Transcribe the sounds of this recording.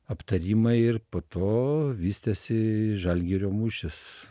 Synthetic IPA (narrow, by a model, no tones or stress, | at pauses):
ɐpt̪ɐɾʲiːmɐɪɪrpoːt̪oːʋʲiːsʲt̪ʲɛsʲɪʒɐlʲɡʲɛɾʲoːmuːʃʲɪs